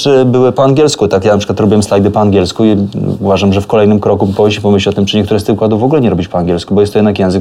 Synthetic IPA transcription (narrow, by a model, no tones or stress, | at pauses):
ɘbɘwɘpɔaŋɡʲjɛlskut̪akjanapʂɘ̥kwat̪ɾɔbʲiwɛmslajd̪ɘpɔaŋɡʲjɛlskuiuvaʐamʐɛfkɔlɛjnɘmkɾɔkupɔɔipɔmɘɕlʲiɔt̪ɘmt͡ʂɘɲɛkt̪uɾɛst̪ɘxkwad̪uvɔɡulɛɲɛɾɔbʲit͡ɕpɔaŋɡʲɛlskubɔjɛst̪ɔjɛd̪nakjɛ̃zɘk